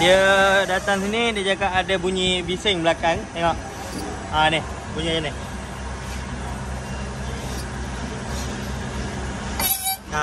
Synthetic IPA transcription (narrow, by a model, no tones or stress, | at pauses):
diədat̪aŋsinidiəd͡ʒakaʔadabuɲibisɪŋbəlakaŋt̪eŋɔʔ | anɪh | buɲianɪ | a